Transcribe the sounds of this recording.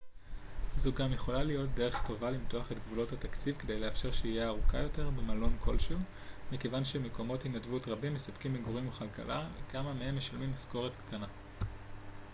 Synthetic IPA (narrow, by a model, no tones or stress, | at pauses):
zuɡamje̞χo̞lalijo̞t̚de̞ʁ̞e̞χto̞valimtoaχe̞tɡvulo̞thatakt͡sivke̞dejleafʃe̞ʁʃeijeaʁukajo̞te̞ʁbemalo̞nkʰo̞̰lʃel | mekevanʃemeko̞mo̞thinadvutʁabimːesabkimeɡʁimuχalka̰lavḛkamamehe̞mːe̞ʃalmimsko̞ʁetktʰana